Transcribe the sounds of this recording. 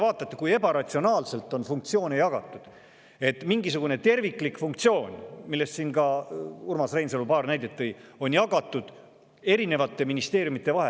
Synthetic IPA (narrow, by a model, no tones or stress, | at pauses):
vɑːt̪ːˑɑt̪ːe̥kuje̞bɑɾɑt̪ʲsionɑːlse̞lt̪ːˑo̞nfuŋkt̪sio̞ːnejɑɡ̥ɑt̪ˑːud̪̥ | e̞t̪ːˑmiŋɡisuɡ̥une̞t̪e̞rvikːˑlikfuŋk̚t̪sio̞ːnʲmilːe̞st̪sinkɑurmɑsrejnselupɑːrnæjd̪̥et̪ːˑejo̞njɑɡ̥ɑt̪ːˑud̪̥ | e̞ɾine̞vɑt̪ːˑe̞minist̪e̞ːɾjumit̪ːˑe̞vɑɦe